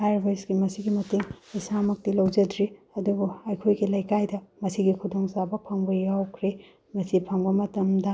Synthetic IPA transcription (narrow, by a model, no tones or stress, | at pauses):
hajɾbʱajsɡimɐsiɡimɐtiŋisamɐk̚tilɐwd͡ʒɐdɾi | ɐduɡɐɐjkʰojɡilɐjkajdɐmɐsiɡikʰudɔŋsabɐpʰɐŋbɐjawkʰɾe | mɐsipʰɐŋbɐmɐtɐmdɐ